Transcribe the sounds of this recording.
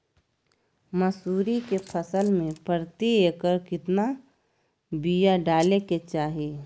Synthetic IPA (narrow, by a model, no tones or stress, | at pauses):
məsuːɾikepʰəsəlmẽpəɾt̪ieːkəɾkɪt̪na | bijaɖaːleket͡ʃaːɦie